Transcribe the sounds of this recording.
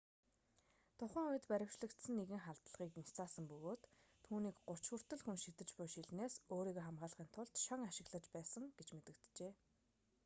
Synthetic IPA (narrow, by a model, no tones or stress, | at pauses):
t̪ʰʊχə̆ŋujɘ̆t̪pæɾʲɪ̆wt͡ɕɮə̆kt̪sɘ̆nːeɣɘ̆ŋχaɮt̪ə̆ɮʁiːkint͡sʰaːsə̆mpɵɣoːt̪ʰː | uːniːkɢʊr̥ʰt͡ɕwŭr̥t̪ɵ̆ɮxunʃit̪ɘ̆t͡ɕpʊjʃiɮneːsoːɾiːɣoːχamɢaːɮʁiːnt̪ʰʊɮt̪ʃɔŋaʃɪ̆ɣɮə̆t͡ɕpæːsə̆ŋɡ̥et͡ɕmet̪ɘ̆k̚t̪t͡ɕeː